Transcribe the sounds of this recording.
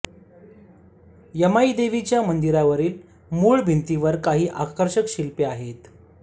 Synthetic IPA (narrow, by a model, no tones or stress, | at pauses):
jəmaid̪eʋit͡ɕjamənd̪iɾaʋəɾiːl | muːɭbʱint̪iʋəɾkaɦiːʔakəɾɕəkɕilpeaɦet̪